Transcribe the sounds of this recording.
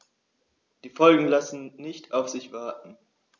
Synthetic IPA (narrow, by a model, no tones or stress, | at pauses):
d̥iːfɔlɡŋ̩lasn̩nɪçtʰaʊfz̥ɪçv̥aɐtn̩